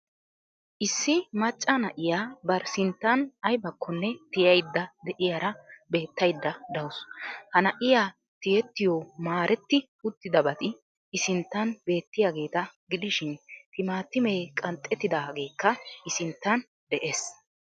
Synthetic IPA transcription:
ʔɪsːɪmɐt͡ʃʼːɐnɐʔɪjaːbɐɾsɪnt̪ːɐnɐjbɐkːɔnːɛt̪ɪjɐjd̪ːɐd̪ɛʔɪjaɾɐbe̞ːt̪ːɐjd̪ːɐd̪ɐwʊshɐnɐʔɪjaː | t̪ɪjɛt̪ːɪjɔmaːɾʔɛt̪ːɪ | ʊt̪ːɪd̪ɐbɐt̪ʼɪ | ɪsɪnt̪ːɐnbe̞ːt̪ːɪjaːɡe̞ːt̪ɐɡɪd̪ɪʃɪnt̪ɪmaːt̪ːɪmɛːkʼɐnt̪ʼːɛt̪ːɪd̪aːɡe̞ːkːɐʔɪsɪnt̪ːɐn | d̪ɛʔe̞ːs

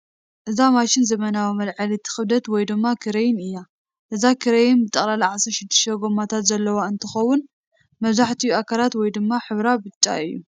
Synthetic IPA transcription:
ʔɨzamaʃɪnzɐmɐnawimɐlʕalit̪ʰɨ̥xɨβd̪ɐt̪wɔjd̪ɨmːakʰɨɾejɪnɨjːa | ʔɨzakʰɨɾɐjɪnbɨt̪ʼːɐχʼlalʕasɨɾʃɪd̪ːɨʃt̪ɐɡo̞mat̪ʰat̪zɐlːɐwaɨnt̪ʰɨxɐwʊn | mɐβzaħt̪ʰijuakʰalat̪wɔjd̪ɨmːaħɨβɾabɨt͡ʃʼːa̰ɨjːṵ

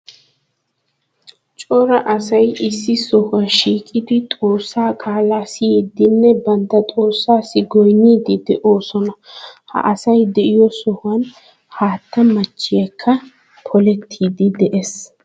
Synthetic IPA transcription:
t͡ʃʼɔɾɐʔɐsɐjɪsːɪsɔhɐʃiːkʼɪd̪ɪt̪ʼo̞ːsːaːkʼaːlaːsɪjid̪ɪnːɛbɐnt̪ːɐt̪ʼo̞ːsːaːsɪɡɔjnːiːd̪ɪd̪ɛʔo̞ːsɔnɐhɐ̰ʔɐsɐjd̪ɛʔɪjɔsɔhʊɐn | haːt̪ːɐmɐt͡ʃːɪjɐkʰːɐ | pʰɔlɛt̪ʰːiːd̪ɪd̪ɛʔes

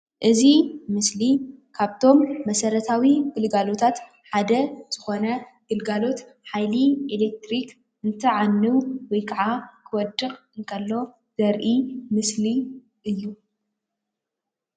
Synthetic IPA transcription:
ʔɨzimɨslikʰaβt̪ʰo̞mːɐsɐɾɐt̪ʰawiɡɨlɡalo̞t̪ʰat̪ | ħad̪ɐz̥ɨxo̞nɐɡ̥ɨlɡalo̞t̪ | ħajlielek̚t̪ɾik | ɨnt̪ʰɐʕanːɨwwɔjkʰaʕakʰɨwɔd̪ɨχʼɨŋkʰɐlːo̞ | z̥ɐɾʔimɨsli | ʔɨjːu

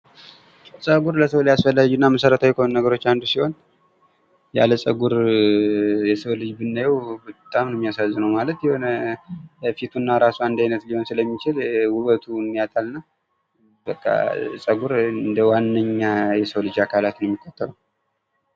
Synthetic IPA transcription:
sʼəɡuɾləsəwljasfəlːad͡ʒunːaməsəɾət̪ʰawjɛkʰonunːəɡəɾot͡ʃːand̪usiho̞n | ja̰ləsʼəɡuɾ | jɛsəwlɨd͡ʒbɨnːajɛwbət̪ʼamnɛmːijasazːɨnəwmalət̪jɛho̞nə | fit̪ʰunːaɾasuand̪ajnət̪liho̞nsɨləmːit͡ʃɪlwuwət̪ʰumːijat̪ʰalɨnːa | bəkʼːa̰sʼəɡuɾɨnd̪əwanːəɲːajɛsəwlɨd͡ʒakʰalat̪nəɛmːikʰʼːot̪ʰːəɾəw

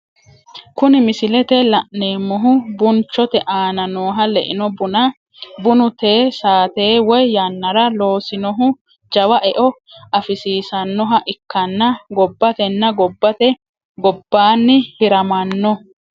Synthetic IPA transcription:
kʊnɪmɪsɪlɛt̪ɛlɐʔne̞ːmːɔɦʊbʊnt͡ʃːɔt̪ɛʔaːnɐnoːɦɐlɛ̰ʔɪnɔbʊnɐ | bʊnʊt̪e̞ːsaːt̪e̞ːwɔjːɐnːɐɾɐlo̞ːsɪnɔɦʊ | d͡ʒɐwɐʔɛʔɔ | ʔɐfɪsiːsɐnːɔɦɐʔɪkːɐnːɐɡɔbːɐt̪ɛnːɐɡɔbːɐt̪ɛ | ɡɔbːaːnːɪhɪɾɐmɐnːɔ

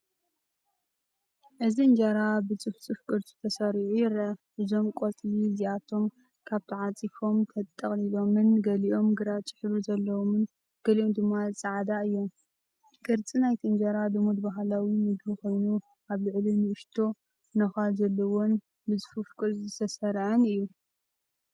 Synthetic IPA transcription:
ʔɨziɨnd͡ʒaɾabɨt͡sʼɨft͡sʼɨfkʼɨɾt̪ʰʼi̥t̪ʰɐsɐɾʕujɾɐʔɨzo̞mkʼot͡s̪ʼliziat̪ʰo̞m | kʰaβt̪ʰiʕat͡sʼifo̞mt̪ʰɐt̪ʼːɐχʼlilo̞mɨnɡɐliʔo̞mɡɨɾat͡ʃʼɨ̥ħɾuzɐlːɐwomɨn | ɡ̥ɐliomd̪ɨmːaɨt͡sʼaʕad̪aɨjːo̞m | kʼɨɾt͡sʼinajt̪ʰiɨnd͡ʒaɾad̪omud̪baɦlawimɨd̪uxo̞jnu | ʔaβlɨʕlinɨɨʃt̪ʰo̞ | nɐxalzɐlːɐwon | bɨt͡sʼɨfufkʼɨɾt͡sʼɨt̪ʰɐsɐɾʕɨnɨjːu

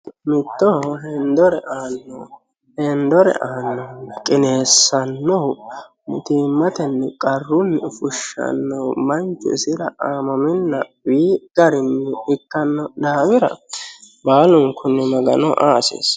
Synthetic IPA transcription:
mɪt̪ːɔɦɛnd̪ɔɾɛʔaːnːɔ | hɛnd̪ɔɾɛ̰ʔaːnːɔkʼɪne̞ːsːɐnːɔw | mʊt̪iːmːɐt̪ɛnːɛkʼɐrːʊnːɛfʊʃːɐ̰nːɔwmɐnt͡ʃːʊ̰ɪsɪɾɐʔaːmɐmɪnːɐ | wiːɡ̥ɐɾɪnːɛɪkːɐnːɔd̪aːbɪɾɐ̰ | baːlʊŋkʰːʊnːɛmɐɡɐ̰nɔʔaːsḛːs

